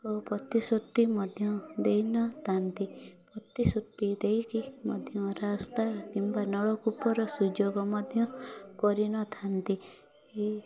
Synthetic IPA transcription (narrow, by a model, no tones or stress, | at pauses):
kɔpɾɔt̪isot̪ːimɔd̪ʱjɔd̪ejnɔt̪ʰant̪ipɾɔt̪isot̪ːid̪ejkimɔ̰d̪ʱjɔ̃ɾast̪ak̪imbanɔɭɔkupɔɾɔsud͡ʒoɡɔmɔd̪ʱjɔkɔɾinɔt̪ʰant̪i | e